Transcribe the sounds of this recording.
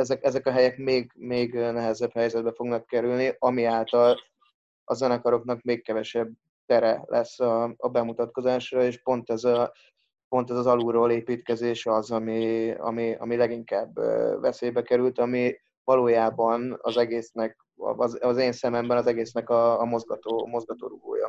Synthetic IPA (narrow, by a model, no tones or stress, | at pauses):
ɛzɛkɛzɛkɒɦɛjɛkmeːɡmeːɡnɛɦɛzɛbhɛjzɛd̪̚bɛfo̞ɡnɒkːɛɾylniʔɒmiaːlt̪ɒl | ɒzɛnɛkɒɾo̞knɒkmeːkkɛvɛʃɛb̚ | t̪ɛɾɛlʔɛsːɒɒbɛmut̪ɒt̪̚ko̞zaːʃrɒeːʃpo̞nt̪ɛzɒ | po̞nt̪ɛzɒzɒluɾoːleːpiːt̪kɛzeːʃɒzɒmiɒ̰miɒ̰milɛɡiŋkaːbːvɛseːjbɛkɛɾylt̪ɒmi | vɒloːjaːbɒnɒ̰zɛɡeːsnɛk̚ | zɒzeːnsɛmɛmbɛnɒzɛɡeːsnɛkɒːmo̞zɡɒt̪oːmo̞zɡɒt̪oːɾuɡo̰ːjɒ̰